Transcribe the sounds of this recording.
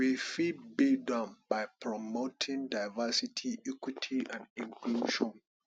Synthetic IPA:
wifid̚bidɔ̃nbaɪpʰɹɔmotʰɪ̃ŋdaɪvasitʰiikwitʰiʔãnĩŋkluʃɔ̃n

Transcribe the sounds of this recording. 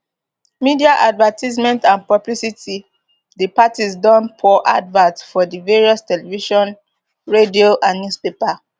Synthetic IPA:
midiaʔadvatʰizmɛ̃ntãnpɹɔblisiti | dipatisdɔ̃npʰɔʔa̰dvatsfɔdiveɹiɔstɛlɛviʃɔ̃n | ɹedioʔãnnjuspepa

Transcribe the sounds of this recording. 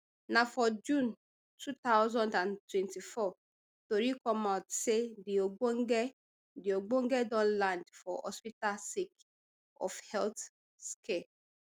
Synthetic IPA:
nãfɔd͡ʒũn | tʰut̪aʊzɔ̃ndãntwɛ̃ntifɔ | toɾikɔmãtsedioɡ͡boŋɡɛ | dioɡ͡bõŋ̩ɡɛdɔ̃nlãndfɔɔ̰spitasek | ɔ̰fhɛlt | skʰe

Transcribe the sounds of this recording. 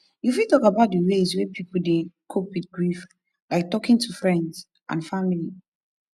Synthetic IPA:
jufitɔkabaʊt̚dəwezwepʰipul̩dekʰopwit̚ɡɹif | laɪk̚tɔkĩŋtʰufɹɛ̃ndz | ʔã̰nfamili

